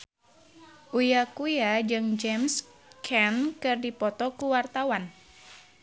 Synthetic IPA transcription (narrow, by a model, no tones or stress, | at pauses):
ʔujakujad͡ʒɨŋd͡ʒɛms | kʰɛnkɨrdipɔt̪ɔkuwart̪awan